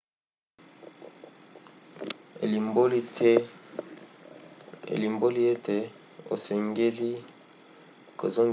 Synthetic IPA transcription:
ḛ˨li˨mbo˦li˦tʰɛ˦ | ḛ˨li˨mbo˦li˦e˦te˨ | o̰˨se˨ŋɡe˦li˦ | ko̰˨zo˦ŋ

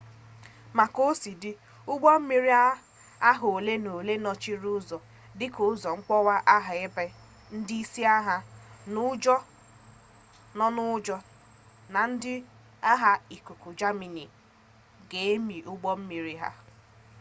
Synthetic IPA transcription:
ma˨ko˦si˨dɪ˦ | ʊ˦ɡ͡bɔ˦m̩˦mi˦ɾi˦a˦ | a˦ɦo˨le˦no˨le˦nɔ˦t͡ʃi˦ɾu˦zɔ˨ | dɪ˦kʊ˨˦zɔ˨ŋ͡m̩˦k͡pɔ˦wa˦ʔa˦ɦa˨ɪ˦bɛ˦ | n̩˦dɪ˦i˦si˦a˦ɦa˨nʊ˦d͡ʒɔ˦ | nɔ˦nʊ˦d͡ʒɔ˦ | na˨n̩˦dɪ˦ | a˦ɦa˨i˨ku˨ku˨d͡ʒa˦mi˨ni˨ | ɡe˨e˦mi˨ʔʊ˦ɡ͡bɔ˦m̩˦mi˨ɾi˦ɦa̰˦

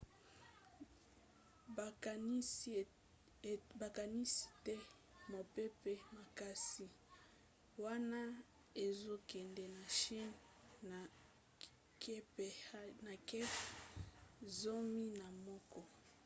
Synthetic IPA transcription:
ba˨ka˨ni˦si̥˦tɛ˦ | mo˨pe˦pɛ˦ma˨ka˦si˨ | wa˦na˦ | e˨zo˦kɛ˨ndɛ˨na˨ʃi˦n | a˨ | kpna˨kɛ˦p | zo˦mi˦na˨mɔ˦kɔ˦

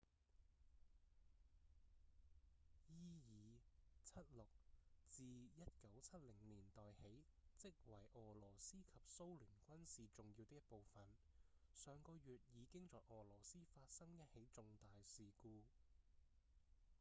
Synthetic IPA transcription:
jiː˥jiː˨t͡sʰɐ˥t̚lʊ˨k̚t͡siː˨jɐ˥t̚kɐ˨˥wt͡sʰɐ˥t̚lɪ˨˩ŋliː˨˩nt̪ɔː˨jhe˨˥jt͡sɪ˥k̚wɐ˨˩jʔɔː˨˩lɔː˨˩siː˥kʰɐ˨p̚so˥wlyː˨˩nkʷɐ˥nsiː˨t͡sʊ˨ŋjiː˧wt̪ɪ˥j̚po˨wfɐ˨nsœː˨ŋkɔː˧jyː˨t̚jiː˨˧kɪ˥ŋt͡sɔː˨jʔɔː˨˩lɔː˨˩siː˥faː˧t̚sɐ˥ŋjɐ˥t̚he˨˥jt͡sʊ˧ŋt̪aː˨jsiː˨kuː˧

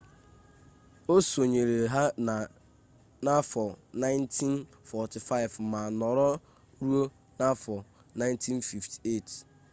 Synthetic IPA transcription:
o˦so˨ɲe˨ɾe˨ɦa˦nã˨ | na˦fɔ˨nã˦ɪ˦ntʰĩ˦n | fɔ˨tʰi˨fa˦ɪ˨vm̩˨mã˨nɔ̃˨ɾɔ˦ | ɾu˦o˦ | nã˦fɔ˨ | nã˦ɪ̃˦ntʰĩ˦nfi˨ftʰi̥˨e˦˨tʰ

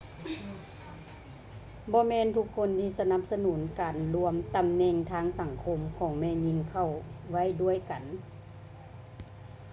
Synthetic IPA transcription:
bɔː˧˦mɛː˧˥˨nt̪ʰu˧˥kʰːo˧˥˨nt̪ʰiː˧˨sa˧na˧˥p̚sa˧nuː˩˦nkaː˨˩nlu˧əmt̪a˨mnɛː˧˩ŋt̪ʰaː˧˥ŋsa˨˩˦ŋkʰo˧˥mkʰɔː˨˩˦ŋmɛː˧˨ɲi˧˥˨ŋkʰa˧˩˨wʋa˥˨jdu˧˥˩əjka˨n

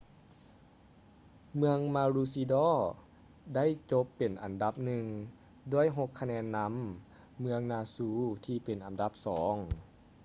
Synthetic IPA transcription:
mɯ˧əŋmaː˧ɾuː˧siː˧dɔː˧˥˩ | da˥˩˨jt͡ɕo˧˦˥pːe˨˩nʔa˨˩nda˧˦p̚nɯ˨˧ŋ | du˧˥˩əjɦo˧˥kʰːa˧nɛː˧nːa˧˥mː | ɯ˧əŋnaː˧suː˧t̪ʰiː˧˩pe˨˩nʔa˨˩nda˧˦p̚sɔː˩˦ŋ

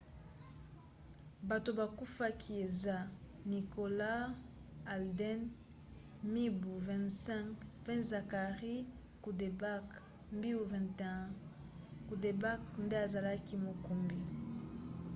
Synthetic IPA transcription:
ba˨to˨ba˨ku˦fa˦kʰi˦e˨za˦ni˨ko˨la˦ | a˨ldɛ˦n | mi˦bu˨vɛ̃˨nsɛ̃˦ŋkpɛ̃˦za˨ka˨ʁi˦ | ku˨de˨ba˦k | mbi˦u˦˨vɛ̃˨ntɛ̃˦ | ku˨de˨ba˦knde˦a˨za˨la˦ki˦mo˨ko˨mbi˨

